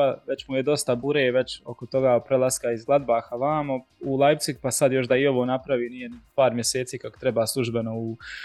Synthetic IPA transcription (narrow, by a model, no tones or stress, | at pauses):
aʋe̞t͡ɕmujed̪o̞st̪abuɾeːʋe̞t͡ɕo̞kot̪o̞ɡaːpɾelˠaskaizɡlˠad̪baːxaʋaːma | ulˠaj̪sik̚pasad̪jo̞ʃd̪aio̞ʋoːnapɾaʋiːnijenpaːɾmje̞seːt̪siːkako̥t̪ɾe̞baːslˠuʒbe̞no̞u